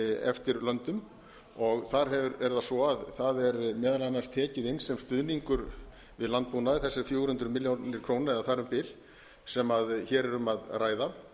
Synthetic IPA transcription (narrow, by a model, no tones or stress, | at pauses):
ɛ̰ft̪ɪɾlœnt̪ʏm | ɔɣθaɾ̥ɦɛvʏɾɛɾðasvɔaðθaðɛɾmɛːðalanːast̪ʰɛːcɪðɪnːsɛmst̪ʏðniŋkʏɾ | vɪðlant̪̚punaðɪθɛsːɪɾfjoːwɾ̥hʏnt̪ɾʏmɪljonɪɾkʰɾoːwnaɾɛðaθaɾʏmpɪl | sɛmaðçɛːɾɛɾʏmaðraːjða